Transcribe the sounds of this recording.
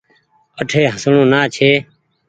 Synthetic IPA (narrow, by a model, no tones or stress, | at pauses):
əʈʰeːɦəsɳõːnaːt͡ʃʰeː